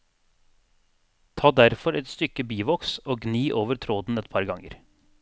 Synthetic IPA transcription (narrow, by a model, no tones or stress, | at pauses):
t̪ʰɑːd̪æɾfɔɾɛt̪st̪ʏkəbiːʋɔksoːɡniːʔoːʋəɾt̪ʰɾoːd̪n̩ɛt̪pʰɑɾɡɑŋə̰ɾ